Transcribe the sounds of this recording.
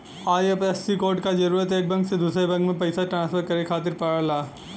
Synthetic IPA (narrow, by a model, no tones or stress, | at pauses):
aːjepɛsːikoːɾɖkad͡ʒɐɾuːɾət̪eːk̚bɐ̃ŋɡsed̪uːsɾebɐ̃ŋɡmẽpɐɪsaʈɾãːnspʰəɾkɐɾekʰaːt̪ɪɾpɐɽəlaː